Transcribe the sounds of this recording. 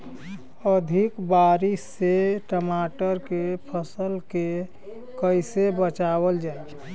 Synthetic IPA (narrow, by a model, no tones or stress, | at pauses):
əd̪ʱɪkbaːɾisːeʈəmaːʈəɾkepʰəsəlke | kəɪsebət͡ʃaːwəld͡ʒaːe